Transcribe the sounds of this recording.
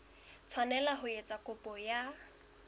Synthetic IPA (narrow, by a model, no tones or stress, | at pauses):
t͡sʰwanɛlaɦʊet͡sʼakʼʊpʼɔja